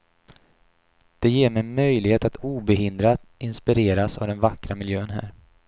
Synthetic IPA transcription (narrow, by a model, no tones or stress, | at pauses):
d̪̥ɛjeːɾmɛnmœjlɪɡheːt̪at̪uːbɛɦɪnd̪ɾad̪ɪnspɪɾeːɾasa̰vd̪ɛnvakːɾamɪljøːnɦæ̰ːɾ